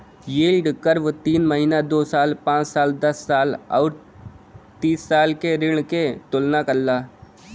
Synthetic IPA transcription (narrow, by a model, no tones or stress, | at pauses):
jeːlɖkəɾʋt̪iːnməɦinad̪oːsaːlpãːt͡ʃsaːld̪ɐsːaːlɔːɾ | t̪iːsːaːlkeɾɪɽ̃ket̪ʊlnakɐlːaː